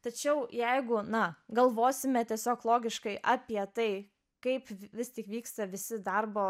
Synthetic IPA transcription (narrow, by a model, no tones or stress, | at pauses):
t̪ɐt͡ʃʲɛʊjɛɪɡʊnɐɡɐlˠʋoːsʲɪmʲɛt̪ʲiɛsʲoːklˠoːɡʲɪʃkɐɪʔɐpʲiɛt̪ɐɪ | kɐɪpʋʲɪst̪ʲɪkʋʲiːkst̪ɐʋʲɪsʲɪd̪ɐrboː